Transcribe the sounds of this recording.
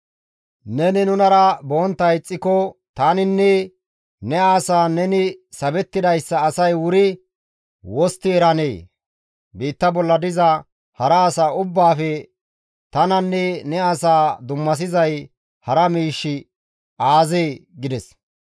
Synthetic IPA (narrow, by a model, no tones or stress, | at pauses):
nɛnɪnʊnɐɾɐboːnt̪ːɐjt͡sʼːɪkɔt̪aːnɪnːɛ | nɛaːsaːnɛnɪsɐbɛt̪ːɪd̪ɐjsːɐːsɐjwʊɾɪ | wɔst̪ːɪɛɾɐneː | biːt̪ːɐbɔlːɐd̪ɪzɐ | hɐɾɐːsaːʊbːaːfɛ | t̪ɐnɐnːɛnɛaːsaːd̪ʊmːɐs̬ɪzɐj | hɐɾɐmiːʃːɪ | aːzeːɡɪd̪ɛs